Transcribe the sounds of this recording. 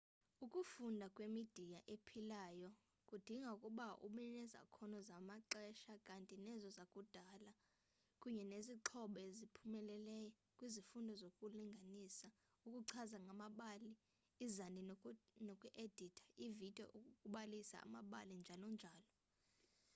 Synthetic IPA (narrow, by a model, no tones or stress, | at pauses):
ukʼufundʱakʼwemid̥ʱijaʔepʰilaːjɔ | kʼud̥ʱiŋɡʱaukʼuɓaʔṵɓɛnɛza̰kʰɔnɔzamaǃɛʃakʼantʼinɛzɔzakʼud̥ʱaːla | kʼuɲɛneziǁʰɔɓɔezipʰumɛlɛlɛjɔ | kʼwizifundʱɔzokʼuliŋɡʱanisa | ukʼuǀʰazaŋʱamaɓaːliː | zandʱinokʼuʔed̥ʱitʰḁivid̥ʱɔ̰ʔukʼuɓalisa̰a̰maɓa̰lind͡ʒʱalɔnd͡ʒʱaːlɔ